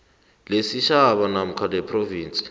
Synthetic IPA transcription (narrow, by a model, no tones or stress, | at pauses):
lesiʃaɓanam̩kʰalɛpʰʼroviːnt͡sʼi̥